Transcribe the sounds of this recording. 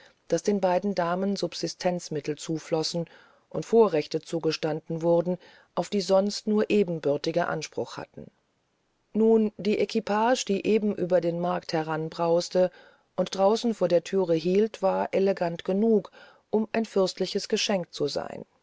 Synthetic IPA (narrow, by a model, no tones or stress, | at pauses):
d̥asd̥eːnbaɪdn̩daːmənzʊpz̥ɪstʰɛnt͡smɪtl̩t͡suːflɔsn̩ | ʔʊntfoːɐʁɛçtət͡suːɡəʃtandn̩vʊʁdn̩ | ʔaʊfd̥iːzɔnstnuːɐʔeːbm̩bʏɐtɪɡəʔa̰nʃpʁ̥ʊ̰xha̰tn̩ | nuːnd̥iːʔekʰipʰaːʃd̥iːʔeːbm̩ʔyːbɐdeːnmaɐkthɛʁanbʁaʊstə | ʔʊntd̥ʁaʊsn̩foːɐdeːɐtʰyːʁəɦiːltv̥aːɐʔeleɡantɡ̥ənuːk | ʔʊmʔaɪnfʏɐstlɪçəsɡ̥əʃɛŋk̚t͡suza̰ɪn